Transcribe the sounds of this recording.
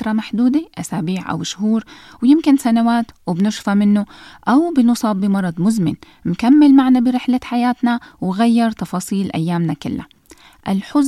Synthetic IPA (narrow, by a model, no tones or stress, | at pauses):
ɾˤɑmaħd̪uːd̪eʔasaːbiːʕʔa̰wʃɦuːɾ | wjɪmkɪnsanawaːt̪wɪbnɪʃfamɪnːʊʔawbɪnʊsˤɑːbːɪmɑɾˤɑd̪ˤmʊzmɪn | nkamːɪlmaʕnabɪɾɪħlaħajaːt̪nawɣajːɑɾˤt̪ɑfɑːsˤiːlʔa̰jːaːmnakɪlːa̰ | ʔalħʊz